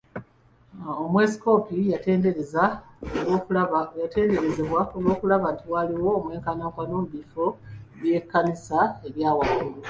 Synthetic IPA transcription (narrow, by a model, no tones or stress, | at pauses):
omwe̞si̥ko̞ːpijate̞ːndeɾezaolokjate̞ːnde̞ɾe̞ze̞βwaolwo̞ːkulaβantiwaliwo̞ːmwe̞ːŋkanaːŋkwano̞ːmuβifoβje̞kːanisae̞βjaːwakulu